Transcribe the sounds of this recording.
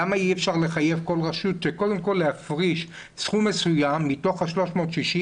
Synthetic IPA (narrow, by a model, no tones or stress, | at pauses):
amaiefʃaʁle̞χaje̞vko̞lʁaʃutʃeko̞d̪e̞mko̞lːeafʁiʃ | sχumːesujamːito̞χaʃlo̞ʃmo̞ːtʃiʃi